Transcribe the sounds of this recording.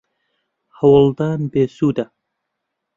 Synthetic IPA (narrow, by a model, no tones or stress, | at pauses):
hawəlˠd̪ɑnbesuːd̪a